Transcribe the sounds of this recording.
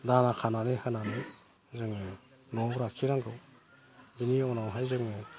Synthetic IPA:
danakʰananehɯnanɯ | zɯŋɯ | nɔbɾakʰiɾaŋɡɯw | biniɔnawɦajzɯŋɯ

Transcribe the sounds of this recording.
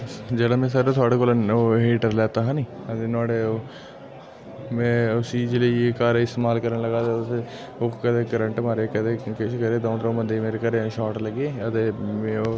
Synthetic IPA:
d͡ʒeːɽãːmɛ̃ːsaːɾeːt̪ʰʊaːɽeːkoːloːɦeːʈəɾlɛːt̪aːɦãːniːət̪eːnaːɽeːoː | mɛ̃ːʊsiːd͡ʒləikaːɾɪst̪eːmaːlkəɾənləɡaːt̪eːs | oːkət̪eːkːəɾəɳʈmaːɾeːkət̪eːkɪʃkəɾeːd̪õːt̪d̪ɾõːbənd̪eːmeːɾeːkəɾeʃaːʈləɡeːət̪eːmẽːoː

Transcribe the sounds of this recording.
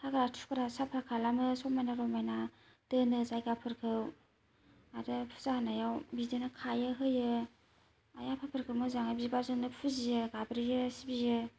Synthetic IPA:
tʰakɯɾatʰu̥kɯɾasapʰakʰalamɯsɔmajnaɾɔmajna | d̥ɯnɯzajɡapʰɯɾkʰɯw | aɾɯpʰu̥zahanajawbidɯnɯkʰajɯɦɯjɯ | a̰japʰapʰɯɾkʰɯwmɯzaŋɯbibaɾzɯŋnɯpʰuzijɯɡabɾijɯsibijɯ

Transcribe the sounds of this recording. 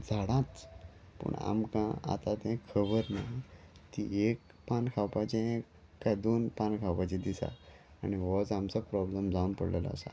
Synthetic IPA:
d͡zʱaɽãt͡s | pə̰ɳa̰mkãa̰t̪at̪ɛ̃kʰəbəɾnat̪iek | pankʰawpat͡ɕẽẽ | kːad̪onpankʰawpat͡ɕĩd̪isa̰ | a̰ɽ̃iʋɔd͡zamt͡sapɾɔbləmd͡zaunpə̰ɽla̰la̰ə̰sa̰

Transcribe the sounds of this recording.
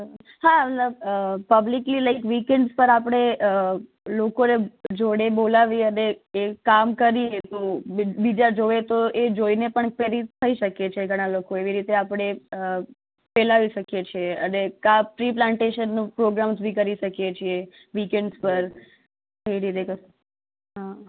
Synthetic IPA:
ɦamət̪ləbpəbliklilaɪkʋikɛɳɖspəɾapəɽ̃eə | lokoned͡ʒoɽebolaʋiəneːkamkəɾiet̪obid͡ʒad͡ʒoʋet̪oʔed͡ʒoinepəɳpeɾit̪ʰːəiʃəket͡ʃʰeɡʱəɽ̃alokoeʋiɾit̪eapɽ̃e | pɛlaʋiʃəkjet͡ʃʰieənekafɾiplãɳʈeʃənːpɾoɡɾamzbʱĩkəɾiʃəkjet͡ʃʰie | ʋikeɳɖzpəɾ | kəiɾit̪ekə | ɦa

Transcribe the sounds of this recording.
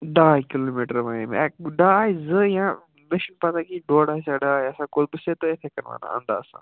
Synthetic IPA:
ɖakilomiʈəɾʋaːemḛɖaaːjzəjã | mɪʃənpat̪akiɖoːɽaːjsaɖaːjɐsãːkolbəset̪oet̪ʰekɐɾʋa̰ːna̰ə̰̃nd̪a̰ːɐsã̰

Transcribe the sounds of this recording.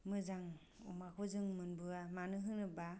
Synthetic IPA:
mɯzaŋ | umakʰɔzɯŋmɯnbɯamanɯɦɯnɯba

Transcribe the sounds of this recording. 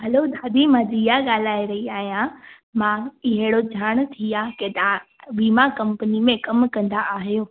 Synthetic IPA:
ɦɐlod̪ʱaːd̪imãːd͡ʑ̪ijaɠaːl̤aːiɾɐɦiaːɦijã | mãɪɦɪɽod͡ʑʱaːɽ̃t̪ʰiaket̪a | ʋiːmakɐ̃mpənimẽkɐmkɐ̃nd̪aʔaːɦijoː

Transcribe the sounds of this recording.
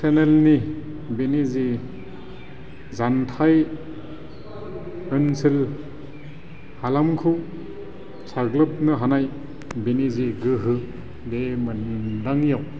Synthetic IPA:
senelni | binizi | zantʰaj | ɯnsil | halamkʰɯw | saɡlɯp̚nɯɦanaj | biniziɡɯɦɯ | demɯndaŋjaw

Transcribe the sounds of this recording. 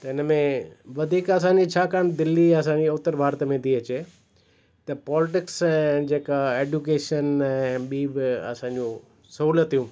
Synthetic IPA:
t̪ɐɪnəmẽʋɐd̪ʱiːkɐs̬ãːɲd͡ʑit͡ɕʰaːkaːɳ̃d̪ɪlːiɐsãːɲd͡ʑiʊt̪ːəɾbʱaːɾt̪mẽt̪ʰiɐt͡ɕeː | t̪ɐpɔːlɪʈɪksɛ̃d͡ʑeːkaeːɖukeːʃənɛ̃ɓiːbɪɐ̰sãːɲd͡ʑũ | sɐɦuːlət̪ːijũː

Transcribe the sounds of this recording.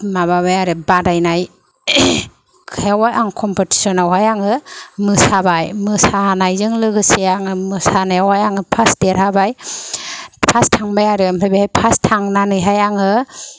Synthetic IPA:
maβaβajaɾɯbadajnaj | kʰɯjawajʔaŋkʰɔmpoti̥sɔnawajaŋɯmɯsabajmɯsanajzɯŋlɯɡɯseaŋɯmɯsanajawhajaŋɯpʰasdeɾhabaj | ppʰastʰaŋbajaɾɯmɾɯjbahajpʰastʰaŋnanɯjɦajaŋɯ

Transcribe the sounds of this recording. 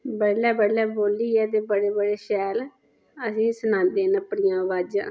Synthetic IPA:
bəɽlːɛːbəɽːɛːboːliːɛːt̪̬eːbəɽeːbəɽeːʃɛːl | əsĩːsənãːnd̪eːnəpːɽɪjãːʋaːd͡ʒã̰ː

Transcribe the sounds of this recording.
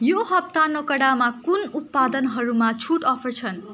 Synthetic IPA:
joɦʌp̚t̪anokʌɽamakunut̪̚pad̪ʌnɦʌɾumat͡sʰuʈʌpʰʌrt͡sʰʌn

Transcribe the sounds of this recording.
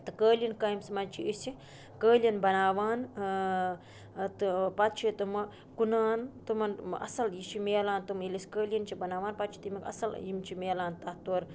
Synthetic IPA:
t̪ɨkəːlʲjinkaːjmsmɐnt͡ʃʰiisi | kəːlijɐnbɐnaːʋaːn | t̪ɨpɐt̪t͡ʃʰit̪ɨmɐ | kunaːnt̪umɐnɐ̰sɐljit͡ʃʰimeːlaːnt̪umilisʲkəːlʲjɐnt͡ʃʰibɐnaːʋaːnpɐt̪t͡ʃʰi̥t̪imʲikɐ̰sɐljimt͡ʃʰimeːlaːnt̪ɐht̪oːɾ

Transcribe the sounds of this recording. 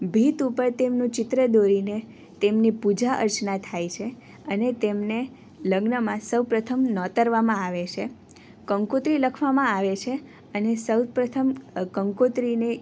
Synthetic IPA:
bʱit̪upəɾt̪emnũt͡ʃɪt̪ɾəd̪oɾine | t̪emnipud͡ʒaʔə̰ɾt͡ʃnat̪ʰajt͡ʃʰe | ənet̪emne | ləɡnəmãsəwpɾət̪ʰəmnɔt̪əɾʋamãaʋet͡ʃʰe | kəŋkot̪ɾiləkʰʋamãaʋet͡ʃʰe | ənesəwpɾət̪ʰəmkəŋkot̪ɾine

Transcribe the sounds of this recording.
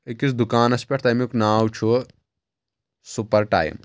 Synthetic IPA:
ekʲisd̪ukaːnɐspʲeʈʰt̪ajmiknaːwt͡ʃʰu | supɐɾʈa̰ːj̰m

